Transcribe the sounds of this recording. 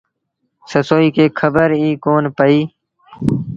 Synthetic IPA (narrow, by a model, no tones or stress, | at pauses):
səsoːiːkeːkʰəbəɾiːkoːnpəiː